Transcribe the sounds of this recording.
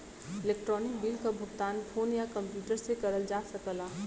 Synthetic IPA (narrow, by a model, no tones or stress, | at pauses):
ɪleːkʈɾɔːnɪk̚bilkabʱʊɡt̪aːnpʰoːnjakə̃mpjuːʈəɾsekɐɾəld͡ʒaːsəkəlaː